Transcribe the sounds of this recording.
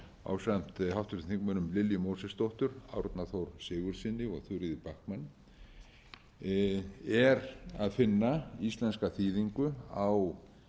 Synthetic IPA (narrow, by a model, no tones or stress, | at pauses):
a̰ːwsam̥t̪hawt̪ʏɾθiŋkmœnʏmlɪljʏmoːwsɛst̪owht̪ʏɾa̰ːwɾʏt̪naθowɾsɪːɣʏɾ̥sɪnːɪɔ̰ɣθʏɾɪðɪpahkmanː | ɛɾaðfɪnːaist̪lɛnskaθiːðiŋkʏaw